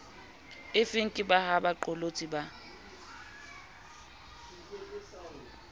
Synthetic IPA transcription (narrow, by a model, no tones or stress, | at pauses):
ɪfɪŋ̩kʼɪbahabaǃɔlot͡sʼiba